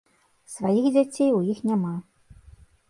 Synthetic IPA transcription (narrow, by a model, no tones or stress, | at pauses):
svajixd͡zʲat͡sʲejujixnʲama